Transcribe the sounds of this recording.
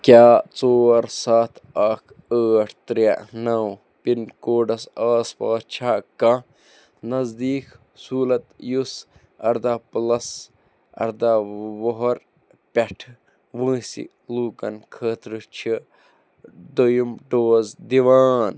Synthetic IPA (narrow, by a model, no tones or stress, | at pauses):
kʲjaːt͡soːɾsaːt̪ʰɐkʰ | əːʈʰt̪ɾɐʔnɐw | pinkoːɖɐsaːspaːst͡ʃʰaːkɐ̃ | nɐzd̪iːk | suːlɐt̪jus | ɐ̰ɾd̪aːplɐs | ɐ̰ɾd̪aːʋoɦoɾ | pʲɐʈʰ | ʋə̃ːsḭ | luːkɐ̰nkʰəːt̪ɾɨt͡ʃʰi | ɖ̪ojumɖoːzd̪iʋaːn